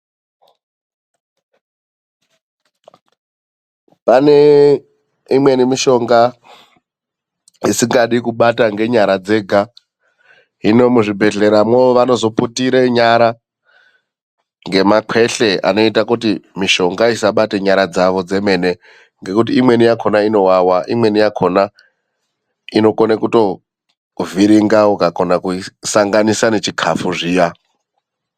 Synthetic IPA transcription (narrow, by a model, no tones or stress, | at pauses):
pane̞ | imwe̞nimiʃo̞ŋɡa | isiŋɡaɗikuɓataŋɡe̞ɲaɾad͡ze̞ɡʱa | ɦino̞muʐibʱe̞ɮe̞ɾamwooʋano̞zo̞putiɾeɲaɾa | ŋɡe̞makʰwe̞ɬe̞ʔa̰no̞itakutimiʃo̞ŋɡaisaɓateɲaɾad͡zaʋo̞d͡ze̞me̞ne | ŋɡe̞kut̬iːmwe̞nijakʰo̞naino̞wawaʔimwe̞nijakʰona | ino̞konekuto̞ | viɾiŋɡaukakonakuisaŋɡanisanet͡ʃikʰafuʐiːja